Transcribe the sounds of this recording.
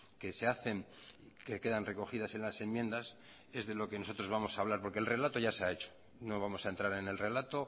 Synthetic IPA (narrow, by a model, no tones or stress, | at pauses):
ke̞seaθe̞ŋ | keke̞ðanre̞ko̞xiðase̞nlase̞mːjend̪as | e̞zðe̞lo̞keno̞so̞t̪ɾo̞zβamo̞saːβ̞laɾpo̞ɾke̞lre̞lat̪o̞ʝaseae̞t͡ʃo̥ | no̞β̞amo̞saent̪ɾaɾe̞ne̞lre̞lat̪o̞